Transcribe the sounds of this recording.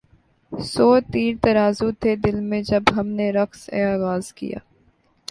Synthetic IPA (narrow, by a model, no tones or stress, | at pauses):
soːt̪iːɾt̪ɐɾaːzut̪ʰeːd̪ɪlmẽd͡ʒɐbɦɐmneɾɐksḛaːɣaːzkḭja̰ː